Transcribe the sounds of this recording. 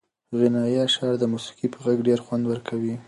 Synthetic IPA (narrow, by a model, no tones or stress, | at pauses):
ɣɪnɑjaʃɑɾd̪əmusi̥qipəɣaɡɖeɾxwand̪wəɾkʰawi